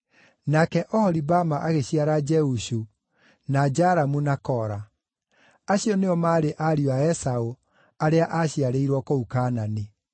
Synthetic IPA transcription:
nakɛʔɔhɔɾibamaʔaɣeɕiaɾad͡ʒɛuɕu | nad͡ʒaɾamunakɔɾa | aɕiɔneɔmaːɾeʔaɾiaɛsao | aɾeaʔaɕiaɾeiɾwɔkoukanani

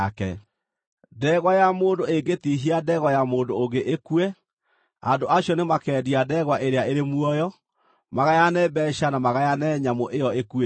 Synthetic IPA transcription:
kɛ̰ | dɛɣwajamoːndoeɡetiɦiadɛːɣwɔjamoːndoːɡeʔekwɛ | a̰ndoʔaɕjɔnemakɛːdiadɛɣwaʔeɾeaʔeɾemwɔjɔ | maɣajanɛbɛːɕanamaɣajanɛɲamoʔejɔekue

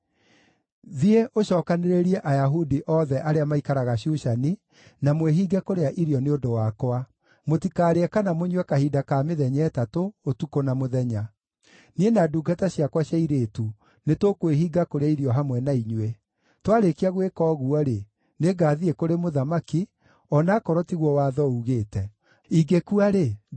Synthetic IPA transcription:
ðieʔoɕɔːkaneɾeɾiɛʔajaɦudiʔɔðɛʔaɾeamaikaɾaɣaɕuʃani | namweɦiːɡɛkoɾeaʔiɾjɔneondowakwa | motikaːɾeɛkanamoɲwɛkahiːdakameðɛɲɛːtatootukonamoðɛɲa | nienaduːɡataɕjakwaɕjaiɾeːtu | netokweɦiːɡakoɾeaiɾjɔɦamwɛnaiɲwe | twaɾekiaɣwekɔːɣuɔɾe | neɡaːðiekoɾemoðamaki | ɔnaːkɔɾɔtiɣwɔwaːðɔuɣeːtɛ | iɡekuaɾe

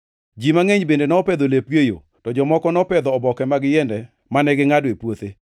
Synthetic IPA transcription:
d͡ʒimaŋeɲbendenɛɔped̪olepɡejo̰ | tɔd͡ʒɔmɔkɔnɔpɛd̪ɔːbɔkɛmaɡɪjɛndɛ | manɛɡɪŋadepwot̪e

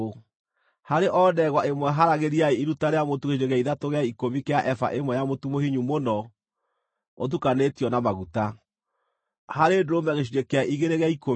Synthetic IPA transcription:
haɾeʔɔːdɛɣwaemwɛɦaɾaɣeɾiaeiɾutaɾeamotuɣeʃiɾeɣaiðatoɣeaikomikeaʔɛfa̰ʔemwɛjamotumohiɲumonɔ | ot̬ukanetiɔnamaɣuta | haɾedoɾomɛɣeʃ̬iɾekeaʔiɣeɾeɣeaiko

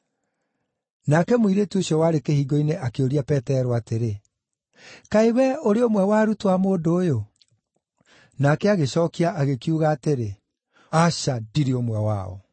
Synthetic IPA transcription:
nakɛmoiɾetioɕjɔwaːɾekehiːɡɔineʔakeoɾiapɛtɛɾɔateɾe | kaewɛoɾeomwɛwaɾutwamoːdoːjo | nakɛaɣeɕɔːkiaʔaɣekiuɣaːteɾe | aʃadiɾiomwɛwa̰ɔ̰

